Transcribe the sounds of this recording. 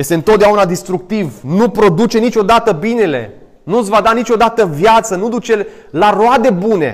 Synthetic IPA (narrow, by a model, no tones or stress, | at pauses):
je̞st̪eɨnt̪ot̪d̪eaunad̪ist̪ɾuk̚t̪ivnupɾo̞d̪ut͡ʃe̞nit͡ʃʲo̞d̪at̪əbine̞le̞̰ | nusvad̪anit͡ʃʲo̞d̪at̪əvjat̪sənud̪ut͡ʃe̞ | laroad̪e̞bune̞̰